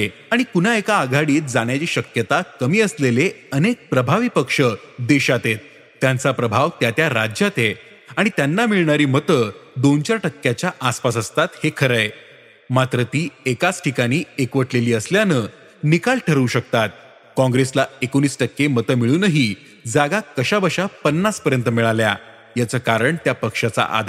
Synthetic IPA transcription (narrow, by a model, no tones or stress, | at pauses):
e | aɽ̃ikunaekaːɡʱaɽiːt̪̚d͡zaɳ̃jat͡ɕiːɕəkjət̪akəmiːəsleleənek̚pɾəbʱaʋiːpəkʂəd̪eɕat̪et̪̚ː | jant͡sapɾəbʱaʋt̪jat̪jaɾad͡ʑjat̪e | aɽ̃it̪janːamiɭɳaɾiːmət̪əd̪ont͡ɕaɾʈəkːjat͡ɕjaʔaspasəst̪at̪hekʰəɾəj | mat̪ɾət̪iːekat͡sʈʰikaɽ̃iːekʋəʈleliːəsljanə | nikaɭʈʰəɾuːɕək̚t̪at̪̚ | kɔ̃ŋɡɾeslaekoñiːsʈəkːemət̪əmiɭuːnəɦiː | d͡zaɡakəɕabəɕapənːaspəɾjənt̪əmiɭalja | jat͡səːkaɾəɳt̪japəkʂat͡sa̰ʔa̰d̪ʱ